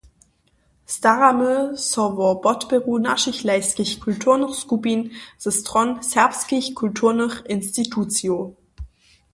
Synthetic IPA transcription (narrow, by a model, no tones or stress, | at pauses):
staʁamøsɔvɔb̥ɔtbeʁuːnaʃɪçlaɪskɪçkʰʊltʰuːɐnəχskubinz̥əstʁ̥ɔnsɛɐpskɪçkʰʊltʰuːɐnəχɪnstitʰut͡sjo